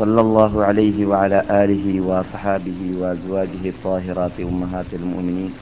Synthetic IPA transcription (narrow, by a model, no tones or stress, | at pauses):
sˤɑlːɑlˤːɑːɦʊʕalajɦɪwaʕalaːʔaːlɪɦɪwɑʔɑsˤħɑːbɪhɪwaʔazwaːd͡ʒɪɦɪt̪ˤːɑːɦɪɾˤɑːt̪ɪʔʊmːaɦaːt̪almʊ̰ʔmɪniːn